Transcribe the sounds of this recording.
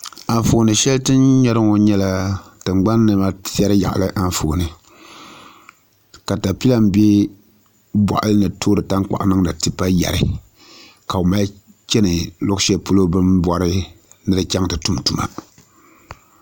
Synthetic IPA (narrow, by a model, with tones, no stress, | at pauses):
a˨ɱfo˨nɨ˨ʃɛ˦ltɨ˦nɲɛ˦ɾɨ˦ŋo˨ɲɛ˦la˦tɨ˨ŋ͡mɡ͡ba˦nːɨ˨ma˦si˦ɛ˦ɾɨ˦ja̰˨ʔlɨ˦ʔa˦n˦foː˨nɨ˨ | ka˨ta˨pi˦la˦m˦be˦ | ba̰˨ʔa˦lɨ˦nɨ˨tʰoː˦ɾɨ˨ta˦ŋ˦k͡pa̰˨ʔnɨ˦ŋ˦nɨ˨tɨ˦pa˦ja̰˨ɾɨ̰˦ | ka˨ʊ˨ma˦ | t͡ʃɛ˦nɨ˨lʊ˦ʃɛ˦˨po˦lo˦bɨ˦mbɔ˦ɾɨ˦nɨ˦ɾɨ˦t͡ʃɛ˦ŋtɨ˨tu˦m˨tu˨ma̰˨